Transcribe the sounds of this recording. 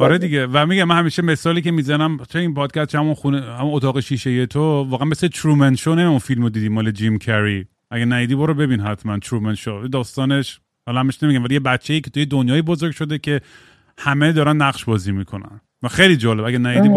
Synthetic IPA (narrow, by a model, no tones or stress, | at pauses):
ɒɾed̪iɡevæmiɡæmænhæmiːʃeme̞sɒːliːke̞mizænæmt͡ʃʰeinpʰɒːd̪̚kʰʲæst̪̚t͡ʃʰehæmunxunehæmunot̪ɒːɣe̞ʃiːʃejet̪ʰovɒːɣeænmeslet̪ʰɾumenʃonemiæmunfilmod̪iːd̪iːmɔːled͡ʒimkʰæɾi | ʔæɡænæjid̪iːboɾobe̞binɦæt̪ʰmænt̪ʰɾumenʃovælid̪ɒːst̪ɒːne̞ʃ | hɒːlhæmbeʃnmiɟæmvælijebætt͡ʃʰːejiːkʰet̪ʰujed̪onjɒːjibozoɾɡʲʃo̞d̪ecʰe̞ | hæme̞d̪ɒːɾænːæɣʃbɒːziːmikʰo̞næ̰n | væxejlid͡ʒɒːle̞bæɡænæjid̪i